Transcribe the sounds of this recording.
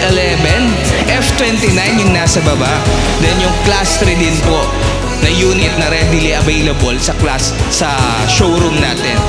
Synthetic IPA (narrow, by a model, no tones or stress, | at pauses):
ʔɛlɛvɛn | ʔɛft̪wɛnt̪inajnjʊŋnasɐbɐbaʔ | d̪ɛnjʊŋklast̪ɾɪd̪ɪnpo | nɐjuːnɪt̪̚nɐɾɛd̪ɪliʔɐvejlɐbolsɐklassɐ | ʃowɾumna̰ːt̪ɛ̰n